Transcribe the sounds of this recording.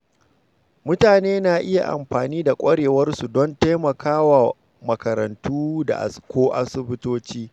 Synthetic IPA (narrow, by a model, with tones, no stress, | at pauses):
mʊ˦taː˨neː˦na˨ʔɪ˦ja̰˨ʔa̰˨mɸaː˨niː˦da˨kʷʼɐ˦ɽeː˨wɐ˦rsu˨dɔ˦nta˦mɐ˨kʰaː˦wa˨ | mɐ˨kɐ˨ɾɐ˨ntuː˦da̰˨ʔa̰˨skʷoː˦ʔa̰˦sɪ˦bɪ˦toː˦t͡ʃiː˦